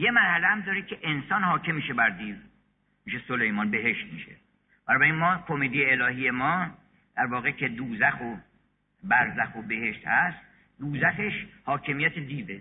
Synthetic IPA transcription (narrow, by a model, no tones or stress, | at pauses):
je̞mæɾhælehæmd̪ɒːɾekʰeʔensɒːnhɒːcʰemːiːʃebæɾd̪iːv | miːʃesolejmɒnbe̞ɦe̞ʃt̪̚miʃḛ | b̥ænɒːbæɾinmɒːkʰomeːd̪ejeːlɒːɦije̞mɒː | d̪̥æɾvɒːɣecʰe̞d̪uːzæxo | bæɾzæxobe̞he̞ʃt̪hæst̪ | d̪uːzæxeʃhɒːcʰe̞mijæt̪ʰed̪iːve